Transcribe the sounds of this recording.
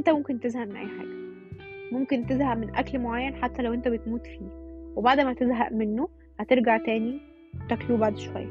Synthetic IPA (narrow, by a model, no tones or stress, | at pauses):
ʔent̪æmomkent̪ezhæʔmenʔæ̰jːħa̰ːɡæ | momkent̪ezhæʔmenʔæklmoʕajːænħat̪ːælæwʔent̪æbet̪muːt̪fiːwebaʕd̪mæt̪ezɦæ̰ʔmenːo | hæt̪eɾɡaʕt̪æːni | t̪ækluːbaʕd̪ʃowæ̰jːæ